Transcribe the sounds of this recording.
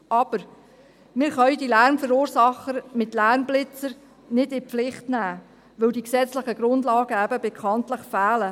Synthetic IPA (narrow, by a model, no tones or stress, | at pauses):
ɑb̥əɾ | mɪːɾχœʏdilæɾmfəɾuːɾsɑχəɾmɪtlæɾmblɪt͡səɾ | nɪdɪflɪχtnæː | ʋɵldiksɛt͡sləχəɡ̥ɾʊndlɑːɡəæbəbɛkʰχɑntləχfæːlə